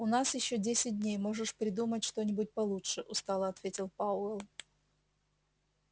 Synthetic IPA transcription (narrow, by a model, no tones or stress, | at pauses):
ʊnasjɪɕːodʲesʲɪt̚ʲdʲnʲejmo̞ʐɨʂpɾʲɪd̪umətʲʂt̪onʲɪbʊt̚ʲpɐlˠutʂɨʔʊst̪alˠəɐt̪vʲetʲɪlˠpaʊɛlˠ